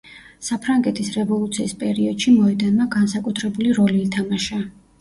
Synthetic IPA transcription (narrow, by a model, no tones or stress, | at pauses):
sapʰɾaŋɡɛt̪ʰisɾɛvɔlˠut̪sʰiːspʼɛɾiɔd̪̥ʃimɔɛd̪anmaɡansakʼut̪ʰɾɛbuliɾɔliːt̪ʰamaʃa